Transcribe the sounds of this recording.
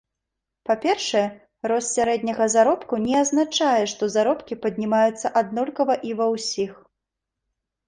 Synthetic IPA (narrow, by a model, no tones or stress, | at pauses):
papʲɛrʂɐjɛ | ɾɔssʲaɾɛd̪ʲnʲɐɣɐzaɾɔpkunʲɛaznat͡ʂajɛʂt̪ɔzaɾɔpkʲipɐd̪ʲnʲimajut̪sːɐʔad̪nɔlʲkɐvɐʔivɐwsʲix